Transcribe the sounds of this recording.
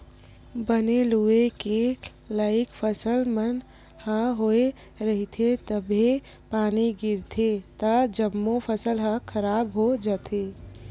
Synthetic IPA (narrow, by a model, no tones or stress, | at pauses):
bənelueke | laːɪkpʰəsəlmən | hə̃ɦoe | ɾəɦit̪ʰet̪əbʱe | paːniɡɪɾt̪ʰet̪əd͡ʒəmːopʰəsəlɦə̃kʰəɾabɦod͡ʒət̪ʰe